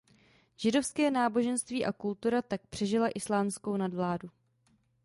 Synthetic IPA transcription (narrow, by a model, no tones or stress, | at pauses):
ʒ̥ɪdo̞fskɛːnaːbo̞ʒɛnst̪viːʔakult̪uɾat̪ak̚pr̥ɛʒɪlaʔɪslaːmsko̞wnadvlaːdu